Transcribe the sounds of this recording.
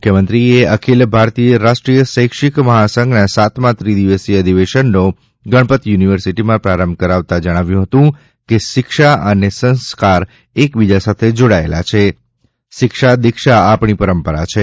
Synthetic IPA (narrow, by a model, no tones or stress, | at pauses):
mukʰjəmənt̪ɾieəkʰilbʱaɾt̪ijəɾaʃʈɾijəsəjkʃɪkməɦasəŋɡnasat̪mãt̪ɾid̪iʋəsiəd̪ʱiʋeʃənːo | ɡəɽ̃pət̪juniʋəɾsiʈimãpɾaɾəmbkəɾaʋt̪ad͡ʒəɽ̃aʋjũɦət̪ũ | keʃɪkʃaʔənesə̃nskaɾ | ekbid͡ʒasat̪ʰed͡ʒoɽaelat͡ʃʰe | ʃɪkʃad̪ɪkʃaapɳ̃ipəɾəmpəɾa̰t͡ʃʰe